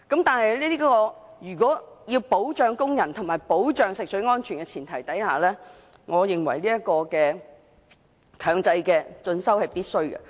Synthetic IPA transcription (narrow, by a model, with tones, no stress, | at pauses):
kɐ˨˥mt̪aː˨nhɐ˨jliː˥t̪iː˥kkɔː˧jyː˨˩kɔː˨˥jiː˧wpo˨˥wt͡ʃœː˨ŋkʊ˥ŋjɐ˨˩nt̪ʰʊ˨˩ŋmaː˨˩jpo˨˥wt͡ʃœː˨ŋsɪ˨k̚sɵ˨˥ŋɔː˥nt͡ʃʰyː˨˩nkɛ˧t͡sʰiː˨˩nt̪ʰɐ˨˩jt̪ɐ˨˥jha̰ː˨˩lɛː˥ | ŋɔː˨˧jɪ˨ŋwɐ̰˨˩jliː˥jɐ˥kɔː˧kɛː˧ | kʰœː˨˩ŋt͡sɐ˧jkɛː˧t͡sɵ˧nsɐ˥whɐ˨jpiː˥t̚sɵ˥ɥkɛ̰˧˨